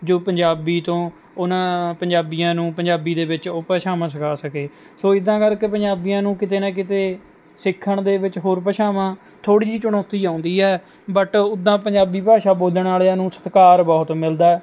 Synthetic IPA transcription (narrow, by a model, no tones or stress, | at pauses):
d͡ʒoːpəɲd͡ʒaːbiːt̪õː | ʊnãːpəɲd͡ʒaːbijãːnũːpəɲd͡ʒaːbiːd̪eːʋɪt͡ʃopəʃaːmãːsəkʰaːsəkeː | soːɪd̪ãːkəɾkepəɲd͡ʒaːbijãːnũːkɪt̪eːnaːk̬ɪt̪eː | sɪkʰːəɳd̪eːʋɪt͡ʃɦoːɾpəʃaːmãː | t̪ʰoːɽiːd͡ʒiːt͡ʃʊɽ̃ɔːt̪iːãːʊnd̪iːɦɛː | bəʈʊd̪ːãːpəɲd͡ʒaːbiːpaːʃaːboːləɳaːleanũːsə̥t̪kaːɾbɔːt̪mɪld̪aːɛː